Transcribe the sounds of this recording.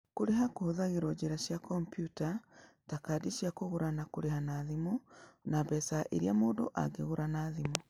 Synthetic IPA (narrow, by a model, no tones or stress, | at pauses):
koɾeɦakoðaɣeɾɔd͡ʑeɾaʃjakɔmpjuta | takadiʃjakoɣoɾanakoɾehanaðimonabɛsaʔeɾiamoːndo̰ʔa̰ɡeɣoɾanaðimo